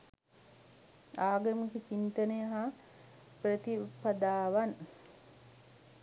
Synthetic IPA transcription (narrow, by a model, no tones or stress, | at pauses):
aːɡɐmukit͡ʃint̪ənəjəɦa | prət̪ipɐd̪aːʋan